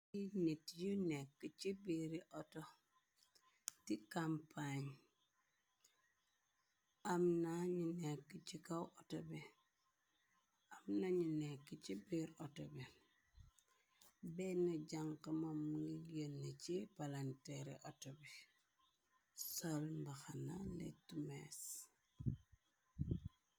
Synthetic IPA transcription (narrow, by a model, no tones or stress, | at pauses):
initjunekːit͡ʃibiɾiʔoto | tikampʰaɲ | amnaɲinekːit͡ʃikawʔotobi | amnaɲinɛkːit͡ʃibiɾɔtobe | bɛnɐɟaŋkamamuijənːet͡ʃipalantɛɾḛʔotobe | solmbaxanalḛtumes